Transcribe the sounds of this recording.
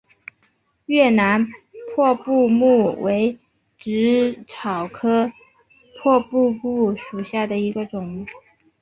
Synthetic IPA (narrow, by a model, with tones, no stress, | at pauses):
ɥɛ˥˩na˧˥npʰwɔ˥˧pu˥˧mu˥˩we˧˥ɪ | ʈ͡ʂɻ̩˧˥ʈ͡ʂʰɑ˨˩ʊkʰɤ˥ | pʰwɔ˥˧pu˥˧pu˥˩ʂu˨˩ɕja˥˩d̪ə˩i˧˥ɡə˧ʈ͡ʂʊ˨˩˦ŋ